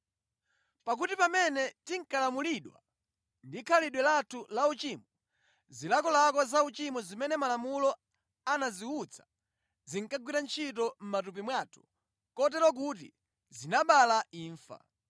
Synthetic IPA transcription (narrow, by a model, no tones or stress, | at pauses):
pak̬utipamɛnɛtiŋ̩kalamuliɗwa̰ | ndikʰaliɗwɛlatʰulaut͡ʃimɔ | zilakɔlakɔzaut͡ʃimɔzimɛnɛmalamulɔ | anaziut͡sʰḁ | ziŋ̩kaɡwiɾant͡ʃʰitɔm̩mat̬up̬imwatʰu̥̰ | kɔt̬ɛɾwɔk̬ut̬ḭ | zinaɓalaiːɱfa̰